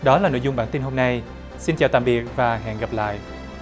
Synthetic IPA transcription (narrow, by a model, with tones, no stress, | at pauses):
ɗɔ˨˦laː˨˩no̰˧˨jzʊ˨˧ŋ͡mɓaː˧˩nt̪i˧nɦo˧mna˧j | si˧nt͡ɕaː˨˩wt̪a̰ː˧˨mɓi˨˩ək̚vaː˨˩ɦɛ̰˧˨nɣə˨˩p̚la̰ː˧˨jʔ